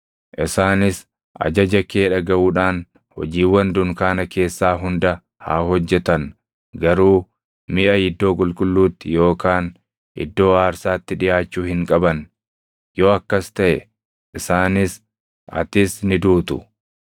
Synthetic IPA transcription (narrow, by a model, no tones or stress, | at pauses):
ʔɪsaːnɪs | ʔɐ̰d͡ʒɐd͡ʒɐkeːᶑɐɡɐʔuːᶑaːn | hɔ̰d͡ʒiːwɐnd̪ʊŋkaːnɐke̞ːsːaːɦʊnd̪ɐ | ha̰ːɦɔd͡ʒːɛt̪ɐn | ɡɐɾuː | mɪʔɐjɪd̪ːo̞ːkʼʊlkʼʊlːuːt̪ːɪjo̞ːkaːn | ʔɪ̰d̪ːo̞ːaːɾsaːt̪ːɪᶑɪjaːt͡ʃːuːhɪŋkʼɐbɐn | jo̞ːɐkːɐst̪ɐʔɛ | ʔɪsaːnɪs | ɐ̰t̪ɪsnɪd̪uːt̪ʊ̰